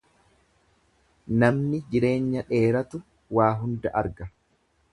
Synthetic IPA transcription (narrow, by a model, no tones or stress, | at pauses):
nɐmnɪd͡ʒɪɾe̞ːɲːɐᶑe̞ːɾɐt̪ʊ | waːɦʊnd̪ɐʔɐɾɡɐ